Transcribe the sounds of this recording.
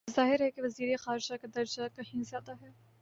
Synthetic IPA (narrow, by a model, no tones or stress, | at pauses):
zaːɦɪɾɦɛkeʋɐziːɾexaːɾd͡ʒakad̪ɐɾd͡ʒakɐɦĩzaːt̪aɦɛː